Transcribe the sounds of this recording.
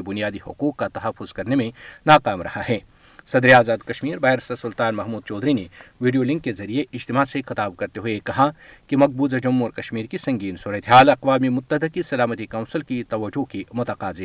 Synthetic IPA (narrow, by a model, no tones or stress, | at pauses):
bʊnijaːd̪ihʊ̰quːqkat̪ɐɦɐfːʊzkɐɾnemẽnaːqaːmɾɐ̰haɦɛː | sɐd̪ɾeaːzaːd̪kɐʃmiːɾbaːeɾsɐsʊlt̪aːnmɐɦmuːd̪̚t͡ʃɔːd̪ɾineʋiːɖijolɪ̃ŋkːezɐɾieɪd͡ʒt̪ɪmaːsexɪt̪aːb̚kɐɾt̪eɦuekɐɦakimɐɡ̚buːzad͡ʒɐmːʊɾkɐʃmiːɾkisɐ̃ŋɡiːnsuːɾət̪eɦaːlɐqʋaːmimʊt̪ːəd̪ɪkisɐlaːmət̪ikaːʊnsəlkit̪ɐʋɐd͡ʒːukimʊt̪ɐqaːze